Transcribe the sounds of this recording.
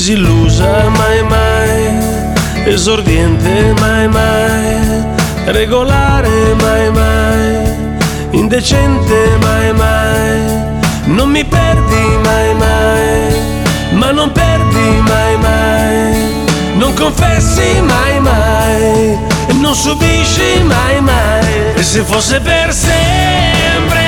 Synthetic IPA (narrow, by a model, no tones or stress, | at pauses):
silːuːzamajmaj | ezoɾd̪jɛnt̪emajmaj | reɡolaːɾemajmaj | ind̪et͡ʃɛnt̪emajmaj | nonmipɛrd̪imajmaj | manːompɛrd̪imajmaj | noŋkoɱfɛsːimajmaj | enːonsubiʃːimajmaj | esːefosːepersɛ | mpɾe